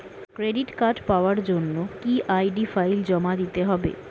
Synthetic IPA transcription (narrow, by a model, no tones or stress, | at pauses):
kɾeɖiʈkaɖpaoaɾd͡ʑonːokiʔajɖifajld͡ʑɔmad̪it̪eɦɔbḛ